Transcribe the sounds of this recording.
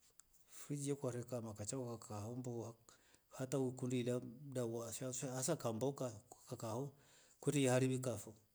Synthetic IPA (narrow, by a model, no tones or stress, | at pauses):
fid͡ʒekʷaɾekamakat͡ʃakakahomboa | hatawikundiladawasahasakambokakakaho | kuɾijhaɾibikafo